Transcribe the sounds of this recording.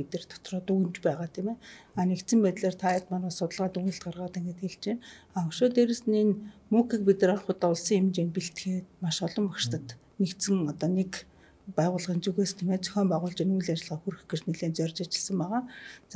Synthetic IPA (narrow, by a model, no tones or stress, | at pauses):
et̪ɘ̆rt̪ʰɔ̥t̪rɔːt̪uunt͡ɕpæːʁaːt̪ʰimeːaːnekt̪t͡sɘ̆mpæːt̪ɮeːrt̪ʰaat̪manaːsʊt̪ə̆ɮʁaːt̪un̆ɬt̪̚ɢarʁaːt̪æŋɡĕt̪xeɮt͡ɕeːnaːɵkʃoːt̪eɾɘ̆sɘninmukʰik̚pit̪rarχʊt̪ːʊɮsiːŋemt͡ɕeːnpiɬt̪xeːt̪̚maʃɔɮɞ̆mːakʃt̪ə̆t̪ | nekt̪sɘ̆ŋɔt̪ɔːnek | pæːʁʊːɮʁĭːnt͡suɣeːst̪ʰemeːt͡sʰœ̥xʲɔːmpæːʁʊːɮt͡ɕinujɮat͡ɕɪ̆ɮʁaːxuɾɘ̆xɡet͡ɕneɮeːnt͡sœrt͡ɕat͡ɕɪ̆ɮsə̆mpaʁaːt͡s